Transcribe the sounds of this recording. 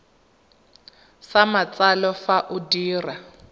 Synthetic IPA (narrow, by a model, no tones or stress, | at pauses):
samat͡salɔfaʔʊdiːra